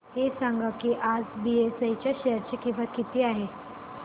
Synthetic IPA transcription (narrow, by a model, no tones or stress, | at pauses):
hesaŋɡakiːʔad͡zbiesajt͡ɕjaɕeɦəɾt͡ɕekĩw̃ʋakit̪iːaɦe